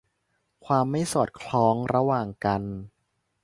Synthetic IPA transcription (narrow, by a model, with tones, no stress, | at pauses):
kʰwaː˧mːa˥˩jsɔː˨˩t̪̚kʰlɔː˦˥ŋɾa˧waː˨˩ŋka˧n